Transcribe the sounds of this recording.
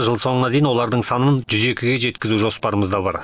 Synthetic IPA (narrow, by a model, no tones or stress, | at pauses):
ʒəlˠso̞ɴənɑd̪e̞jɪnwo̞lˠɑɾd̪əɴsɑnənʒʏze̞kʲɪɡʲe̞ʒe̞t̪kʲɪzuʒo̞spɑɾəməzd̪ɑbɑ̰ɾ